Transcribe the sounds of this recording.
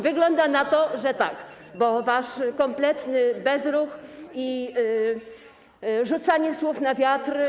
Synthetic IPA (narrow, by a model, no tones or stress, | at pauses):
vɘɡlɔnd̪anat̪ɔʐɛt̪ak | bɔvaʂkɔmplɛt̪nɘbɛzɾuxi | ʐut̪saɲɛswufnavʲjat̪r